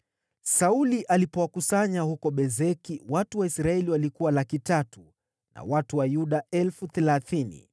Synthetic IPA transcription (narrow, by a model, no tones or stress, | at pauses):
sauliʔalipɔwakusaɲahukɔɓɛzɛkiwatuwaisɾaɛliwalikuwalakitatu | nʔa̰watuwajuɗaɛlfuθɛlaθinḭ